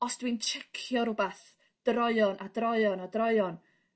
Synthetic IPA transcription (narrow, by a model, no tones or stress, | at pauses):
ɔsd̥wint͡ʃʰɛkʰjɔɾʊbaθ | d̥rɔɨɔnʔadrɾɔɨɔnɔdrɔɨɔn